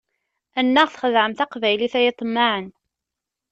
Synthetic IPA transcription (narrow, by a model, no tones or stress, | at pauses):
ænːæʁθχəðʕəmθæqvæjliθæjɪt̪ˤːmːaʕən